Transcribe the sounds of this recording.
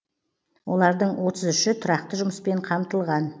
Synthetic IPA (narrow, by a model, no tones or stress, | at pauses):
wo̞lˠɑɾd̪əɴwo̞t̪əzʏʃɪt̪ʰʊɾɑq̚t̪əʒʊməspe̞ɴqʰɑmt̪əlˠʁɑn